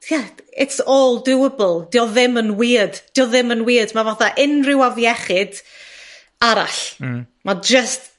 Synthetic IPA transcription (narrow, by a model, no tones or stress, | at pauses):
tʰjaɪtsoːlˠdɪwəbəl̩ˠd̥iːɔðɪmənwiːd̥d̥iːɔðɪmənwiːdmavaθaʔɪnrɪwavjɛχɪd̥ | aɾa̰ɬ | mad͡ʒəst